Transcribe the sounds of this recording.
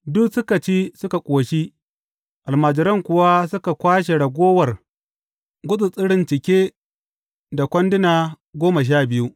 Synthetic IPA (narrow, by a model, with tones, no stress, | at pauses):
dʊ˦ksʊ˦kɐ˨t͡ʃi˦sʊ˦ka˨kʷʼoː˨ʃi˦ | ʔa˨lmaː˨d͡ʒɪ˨ɾɐ˦ŋkʷʊ˨wa˦sʊ˦ka˨kʷaː˦ʃe˨ɽɐ˨ɡʷoː˦wɐ˨r | ɡʷʊ˦ɗʊ˨t͡sʼɪ˦ɽɪ˦nt͡ʃɪ˨kʲeː˦ | da˨kʷɐ˦ndɪ˦naː˨ | ɡʷoː˦ma˨ʃ̬aː˦bɪ˨ju˦ʔ